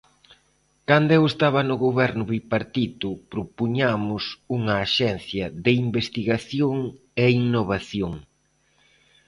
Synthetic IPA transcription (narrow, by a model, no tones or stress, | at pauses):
kand̪ʊɛwest̪aβɐnʊɣoβɛɾnʊβipaɾt̪it̪ʊpɾopuɲamʊsuŋɐːʃɛn̟θjɐðɪimbest̪iɣaθjoŋ | eiŋnoβaθjoŋ